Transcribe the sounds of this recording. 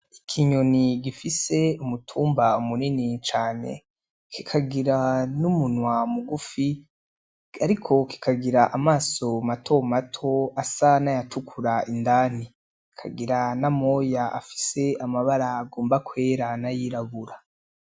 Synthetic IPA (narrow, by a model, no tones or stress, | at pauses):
ikʰiɲo̞niɡifise̞umutʰuːmbaumuninit͡ʃaːne̞̰ | kʰi̥kʰaɡiɾanumunwamuɡufi | aɾikʰo̞ki̥kʰaɡiɾaʔamaːso̞matʰo̞matʰo̞asanajatʰukʰuɾaindaːni | kʰa̰ɡiɾanamo̞jaa̰fi̥se̞amaβaɾaːɡoːmbakwe̞ːɾanajiɾaβuɾa